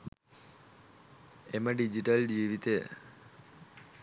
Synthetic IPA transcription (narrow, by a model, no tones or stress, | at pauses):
eməɖid͡ʒiʈəld͡ʒiːʋit̪ejə̰